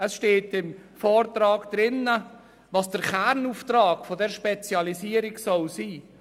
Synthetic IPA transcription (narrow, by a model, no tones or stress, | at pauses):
əsʃteːtɪmfɔːrtrɑːɡd̥̪ɾɪnə | vɑːsd̥əɾχɛɾnuːftɾɑːɡfɔdɛɾʃpɛt͡sjɑlisiːəɾɪɡsɔlsiː